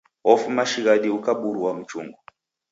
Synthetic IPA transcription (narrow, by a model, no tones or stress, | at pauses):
ɔfumaʃiɣaɗiukaɓuɾuwam̩t͡ʃṵŋɡɔ